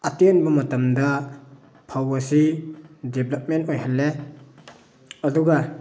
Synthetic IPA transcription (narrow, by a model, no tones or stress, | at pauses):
atienbɐmɐtɐmdɐ | pʰawɐsideblɐp̚mentojɦalːe | ɐduɡɐ